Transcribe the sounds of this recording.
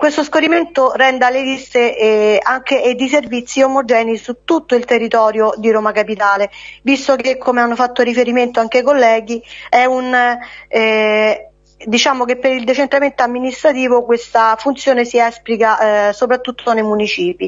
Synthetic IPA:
kwest̪oskoɾiment̪orɛnd̪alelist̪eaŋk̟eed̪is̬ervit̪sːiomod͡ʒɛːnisut̪ːut̪ːoilt̪erːit̪ɔːɾjod̪iɾoːmakapit̪aːlevist̪okekʰːomeanːofat̪ːoɾifeɾiment̪oaŋk̟eajkolːɛːɡiɛun | d̪it͡ʃaːmok̟epːeɾild̪et͡ʃent̪ɾament̪oamːinist̪ɾat̪iːvokwest̪afunt̪sjoːnesiɛsplikasopɾat̪ːut̪ːonejmunit͡ʃiːpi

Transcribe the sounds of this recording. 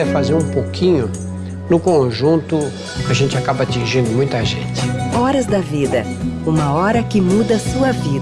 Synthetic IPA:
ɛfazeɾũpokʰĩɲʊ | nʊkõʒũnt̪ʊ | aʒẽnt͡ʃɪakabɐat͡ʃĩʒĩnd̪ʊmũj̃t̪ɐʒḛ̃t͡ʃɪ̥ɔɾɐzd̪ɐvid̪ɐ | ũmɐɔɾɐkɪmud̪ɐsuɐvid̪

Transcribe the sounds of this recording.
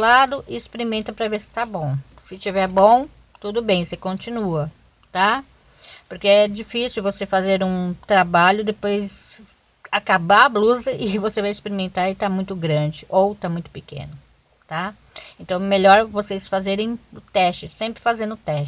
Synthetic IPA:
lad̪ʊʔɪspeɾimẽnt̪ɐpɾɐveɾsɪ̥t̪abõw̃ | sɪt͡ʃivɛɾbõw̃ | t̪ud̪ʊbẽj̃sekõt͡ʃĩnuɐ | t̪a | poɾkeɛd͡ʒifisɪwvosefazeɾũt̪ɾabaʎʊd̪epojz | akabaɐbluzɐʔɪvosevajɪspeɾimẽnt̪aɾɪt̪amũj̃t̪ʊɡɾɐ̃d͡ʒɪʔowt̪amũj̃t̪ʊ̥pɪkḛ̃nʊ | t̪a | ẽnt̪ɐ̃w̃ɛmeʎɔɾvosesfazeɾẽj̃ʊt̪ɛst͡ʃɪsẽmpɾɪfazẽnd̪ʊt̪ɛʃ

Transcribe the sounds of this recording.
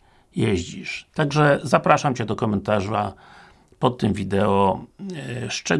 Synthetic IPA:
jeʑd͡ʑiʂt̪aɡʐɛzapɾaʂamt͡ɕɛd̪ɔkɔmɛnt̪aʐa | pɔt̪ːɘmvʲid̪ɛɔ | st͡ʂɛ

